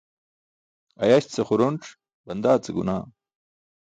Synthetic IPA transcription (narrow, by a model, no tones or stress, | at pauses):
ɐjaɕt͡sɐχuɾonʈ͡ʂ | bɐnd̪aːt͡seɡṵna̰ː